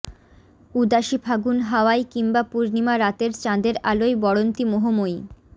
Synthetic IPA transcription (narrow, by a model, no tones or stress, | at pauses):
ud̪aʃibʰʱaɡunɦaoajkimbapuɾnimaɾat̪eɾt͡ɕãd̪eɾalojbɔɽont̪imoɦomoj